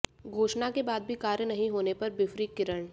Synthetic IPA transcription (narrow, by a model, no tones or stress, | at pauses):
ɡʱoːʃnakebaːd̪̚bʱikaːɾjənɐɦĩɦoːnepɐɾbɪfɾiːkɪɾəɳ